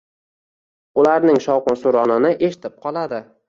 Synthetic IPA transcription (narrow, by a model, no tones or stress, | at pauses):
ʊlaɾnɪŋʃɒwqʊnsʊɾɒnɪnɪʔe̞ʃɪ̥t̪ʰɪp̚qʰɒlˠad̪ɪ